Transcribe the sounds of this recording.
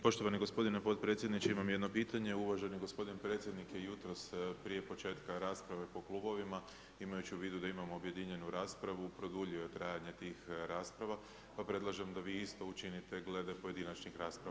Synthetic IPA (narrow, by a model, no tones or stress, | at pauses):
po̞ʃt̪o̞ʋaniɡo̞spo̞d̪inepo̞t̪pɾet̪sjed̪nit͡ʃeimamjed̪no̞piːt̪aɲe̞uʋaʒeniɡo̞spo̞d̪inpɾe̞ːt̪sʲje̞d̪nikje̞jut̪ɾo̞spɾije̞po̞t͡ʃe̞ːt̪kaɾaːspɾaʋe̞po̞klˠuːbo̞ʋima | imajut͡ɕiuʋiːd̪ud̪aimamoobje̞d̪iɲe̞nuɾaːspɾaʋupɾo̞d̪uʎiojet̪ɾaːjaɲe̞t̪iːxɾaːspɾaʋa | papɾe̞d̪lˠaʒemd̪aʋiːist̪o̞ut͡ʃinit̪e̞ɡle̞d̪epoje̞d̪inat͡ʃnixɾaːspɾa